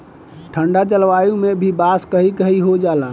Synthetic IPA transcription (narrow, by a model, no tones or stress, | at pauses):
ʈʰəɳɖat͡ʃəlʋajumebʱibaskəɦikəɦiɦod͡ʒala